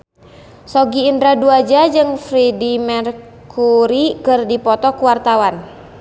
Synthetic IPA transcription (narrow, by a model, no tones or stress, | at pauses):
sɔɡiːndɾaduad͡ʒad͡ʒɨŋfɾidimɛr | kʰuɾikɨrdipɔt̪ɔkuwart̪awan